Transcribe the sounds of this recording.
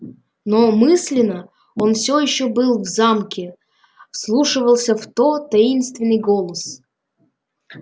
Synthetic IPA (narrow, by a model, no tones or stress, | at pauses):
nomɨsʲlʲɪnə | onfsʲojɪɕːobɨlˠvzamkʲɪ | slˠuʂɨvəlˠsʲəft̪ot̪ɐinst̪vʲɪnːɨjɡolˠəs